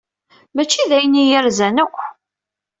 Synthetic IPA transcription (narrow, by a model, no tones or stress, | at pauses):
mæt͡ʃːiðæjənijəɾzænə